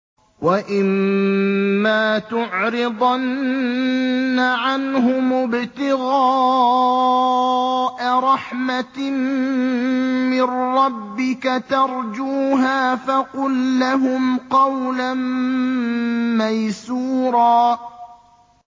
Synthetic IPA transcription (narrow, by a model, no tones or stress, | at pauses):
waʔɪmː | aːt̪ʊʕɾɪd̪ˤɑn | aʕanɦʊmʊbt̪ɪɣɑː | ʔaɾˤɑħmat | mɪnːɑbːɪkat̪ɑɾˤd͡ʒuːɦaːfaqʊlːaɦʊmqɑwlan | majsuːɾˤɑː